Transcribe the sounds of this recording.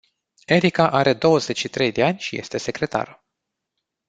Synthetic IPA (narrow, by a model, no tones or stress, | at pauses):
e̞ɾikaʔaɾe̞d̪o̞wəze̞t͡ʃʲʃit̪ɾe̞jd̪e̞anʲʃije̞̰st̪e̞se̞kɾe̞t̪a̰ɾu